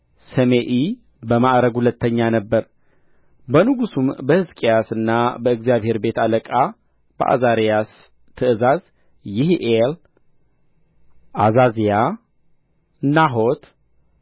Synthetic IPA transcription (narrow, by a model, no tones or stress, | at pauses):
səmeʔi | bəmaʔɾəɡhulət̪ːəɲːanəbːəɾ | bənɨɡusumbəhɨzkʼijasɨnːabəɨɡzijaβhe̞ɾbe̞t̪aləkʼa | b̥ə̰ʔa̰zaɾjas | t̪ʰɨʔɨzaz | jɪhʔel | ʔazazija | naɦot̪